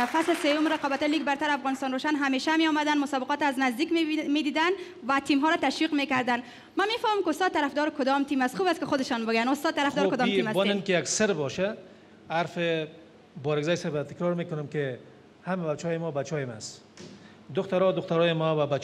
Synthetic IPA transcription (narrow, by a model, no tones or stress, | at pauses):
faslsejʊmɾaqɔbat̪ɔjliɡbaɾt̪aɾafɣɔnɪst̪ɔnɾoʃanɦameʃameɔmad̪anmʊsɔbɪqɔt̪aznazd̪ikmed̪id̪an | wat̪imɦɔɾɔt̪aʃwiqmekaɾd̪an | mamefɔmamkɪʊst̪ɔd̪̚t̪aɾafd̪ɔɾkʊd̪ɔmt̪imast̪xubastkɪxʊd̪ɪʃɔnbɪɡjanʊst̪ɔd̪̚t̪aɾafd̪ɔɾkʊd̪ɔmt̪imasbɔnɪnkɪjaksɪɾbɔʃa | aɾfɪ | bɔɾɪɡzɔjsɛbat̪ɪkɾɔɾmekʊnʊmkɪ | hamabat͡ʃɔjɪmɔbat͡ʃɔjemas | d̪ʊxt̪aɾɔd̪ʊxt̪aɾɔjɪmɔbabat͡ʃ